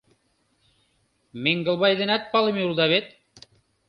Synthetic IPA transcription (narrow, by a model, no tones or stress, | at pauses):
meŋɡɤ̆lˠβɑjd̪ɘ̆næt̪̚pɑlˠɤ̆mjulˠd̪ɑβet̪̚